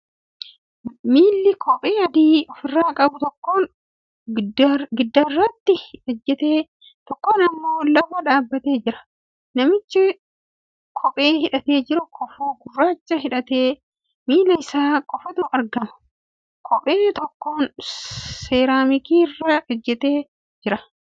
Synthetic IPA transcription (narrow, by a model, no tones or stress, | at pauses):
miːlːɪkʰɔpʼeːɐd̪iːɔfɪrːaːkʼɐbʊt̪ɔkːo̞ːn | ɡɪd̪ːɐɪrːɐt̪ːɪɔd͡ʒːɛt̪eː | t̪ɔkːo̞ːnɐmːoːlɐbɐᶑaːbːɐt̪e̞ːd͡ʒɪɾɐ̥ | nɐmɪt͡ʃːɪ | kʰɔpʼe̞ːhɪᶑɐt̪e̞ːd͡ʒɪɾʊkʰɔfuːɡʊrːaːt͡ʃːɐɦɪᶑɐt̪e̞ː | miːlɐɪsaːkʼɔfɐt̪ʊɐɾɡɐmɐ̥ | kʰɔpʼeːt̪ɔkːoːn | se̞ːɾaːmɪkiːrːɐɔd͡ʒːɛt̪e̞ː | d͡ʒɪɾɐ